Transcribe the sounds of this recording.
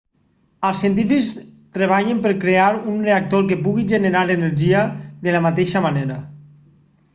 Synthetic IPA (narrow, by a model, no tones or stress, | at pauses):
alˠsiənt̪̬ifikst̪ɾeβ̞aʎempeɾkɾeaɾunreak̚t̪oɾk̬epuɣiʒeneɾaleneɾʒiaðelamat̪eʃamaneɾa